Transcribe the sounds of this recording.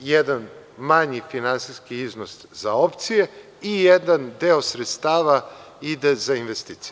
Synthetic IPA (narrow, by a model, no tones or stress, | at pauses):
jed̪an | maɲifinansiskiiznos | zao̞pt̪sije | ijed̪and̪eosɾet̪st̪aːʋa | id̪ezainʋest̪iːt̪sije